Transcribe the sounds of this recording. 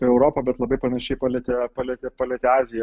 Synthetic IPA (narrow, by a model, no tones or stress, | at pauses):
ɛʊɾoːpɐbʲɛt̪lˠɐbɐɪpɐnɐʃʲɛɪpɑlʲɛt̪ʲɛpɐlʲɛt̪ʲɛpɐlʲɛt̪ʲɛɑːzʲɪjɛ